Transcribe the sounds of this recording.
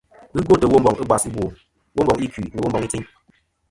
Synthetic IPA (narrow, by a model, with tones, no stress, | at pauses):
ɨ˦ɡo˦˨tə˨wo˦m˦bɔ˨ŋʔɨ˦ɡ͡ba˨sɨ˦bwo˨ | wo˦mbɔ˨ŋi˦ki˨nə˨wo˦mbɔ˨ŋi˦t͡si˦ɲ